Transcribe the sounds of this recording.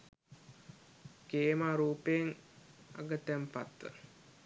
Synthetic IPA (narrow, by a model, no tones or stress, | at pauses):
keːmaːɾuːpejəŋ | a̰ɡət̪æmpat̪ːə̰